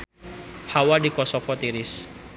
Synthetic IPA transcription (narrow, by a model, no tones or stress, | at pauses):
hawadikɔsɔfɔt̪iɾis